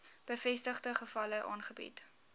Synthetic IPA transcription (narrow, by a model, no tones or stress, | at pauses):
b̥əfɛstəχdəχəfɐləʔɑ̰ːnχəbḭt